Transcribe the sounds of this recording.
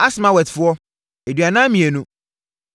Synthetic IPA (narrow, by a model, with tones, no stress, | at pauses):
a˦smã˨wɛ˨tfʊ˦ɔ˦ | e˨dɥa˨nã˦mĩ˨e˨nũ˦